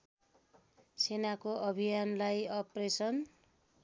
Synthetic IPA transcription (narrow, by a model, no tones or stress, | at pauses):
senakoʔʌbʱijanlajʌpresʌn